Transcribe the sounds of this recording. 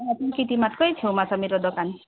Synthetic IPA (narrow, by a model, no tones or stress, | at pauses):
at̪ũkit̪imat̪kɔjt͡ʃʰiwmasɔmiɾɔd̪ɔkan